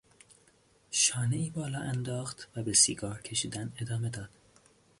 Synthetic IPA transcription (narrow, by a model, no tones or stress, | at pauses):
ʃɒːne̞iːbɒːlɒːʔænd̪ɒːxt̪væbe̞siːɡɒːɾcʲʰe̞ʃiːd̪æne̞d̪ɒːme̞d̪ɒːd̪̥